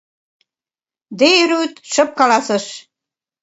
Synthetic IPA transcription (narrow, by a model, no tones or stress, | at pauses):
d̪ejyɾut̪ʃɤ̆p̚kɑlɑsə̆ʃ